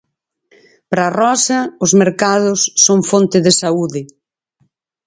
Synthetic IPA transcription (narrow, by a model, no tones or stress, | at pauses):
pɾarɔsɐʊzmeɾkaðʊsːoŋfont̪ɪðɪsauðɪ